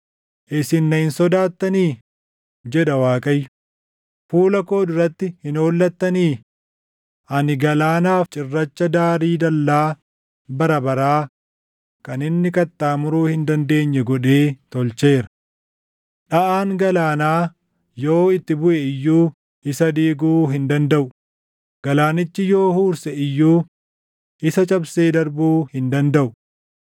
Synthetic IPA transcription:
ʔɪsɪnːɐhɪnsɔd̪aːt̪ːɐniː | d͡ʒɛᶑɐwaːkʼɐjːʊ | fuːlɐko̞ːd̪ʊɾːɐt̪ːɪhɪnoːlːɐt̪ːɐniː | ʔɐnɪɡɐlaːnaːft͡ʃʼɪrːɐt͡ʃːɐd̪aːɾiːd̪ɐlːaː | bɐɾɐbɐɾaː | kɐnɪnːɪkɐt̪ːaːmʊɾuːhɪnd̪ɐnd̪e̞ːɲːɛɡɔᶑe̞ːt̪ɔlt͡ʃe̞ːɾɐ̥ | ᶑɐʔaːŋɡɐlaːnaː | jo̞ːɪt̪ːɪbʊʔɛɪjːuː | ɪsɐd̪iːɡuːɦɪnd̪ɐnd̪ɐʔʊ | ɡ̥ɐlaːnɪt͡ʃːɪjo̞ːhuːɾsɛɪjːuː | ʔɪsɐt͡ʃʼɐbseːd̪ɐɾbuːhɪnd̪ɐnd̪ɐʔʊ

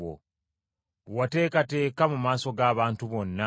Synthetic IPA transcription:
o̰ | wate̞ːkate̞ːkamumaːso̞ɡaːβaːntuβo̞nːa

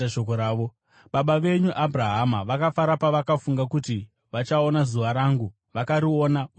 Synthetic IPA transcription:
aʃokoɾaːʋo | ɓaɓaʋe̞ɲuʔabʱraɦamaʋakafaɾapaʋakafuŋɡakuti | ʋat͡ʃao̞nazuʋaɾaːŋɡu | ʋakaɾio̞nau

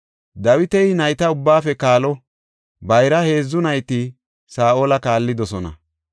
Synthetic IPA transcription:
d̪ɐwɪt̪ɛɪnɐjt̪ɐʊbːaːfɛkaːlɔ | bɐjɾɐhe̞ːzːʊnɐjt̪i | saːʔoːlɐkaːlːɪd̪ɔsɔnɐ̰

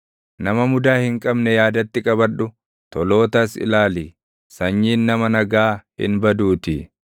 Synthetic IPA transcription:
nɐmɐmʊd̪aːhɪŋkʼɐbnɛjaːd̪ɐt̪ːɪkʼɐbɐᶑʊ | t̪ɔlo̞ːt̪ɐsɪ̰laːliː | sɐɲːiːnːɐmɐnɐɡaːhɪ̰nbɐd̪uːt̪ɪ

